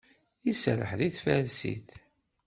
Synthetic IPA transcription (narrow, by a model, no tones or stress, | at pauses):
jisɾə̰ħðiθfælsḭθ